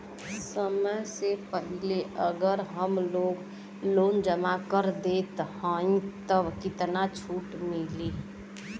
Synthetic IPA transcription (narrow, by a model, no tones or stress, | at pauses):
səməjsepəɦɪleʔəɡəɾɦəmloːɡ | loːnd͡ʒəmakəɾd̪eːt̪haĩt̪əbkɪt̪nat͡ʃʰuːʈmɪliː